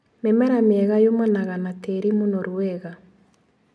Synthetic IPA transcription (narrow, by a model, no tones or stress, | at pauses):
memɛɾameɛɣajomanaɣanatɛɾimonɔɾwɛɣa